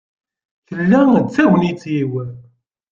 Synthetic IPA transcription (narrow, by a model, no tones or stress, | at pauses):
θəlːæt͡sːæwənit͡sːjiwən